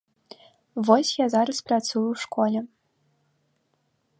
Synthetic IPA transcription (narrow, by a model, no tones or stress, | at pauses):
vɔsʲjazaɾɨsprat͡s̪ujuwʂkʰɔlʲɛ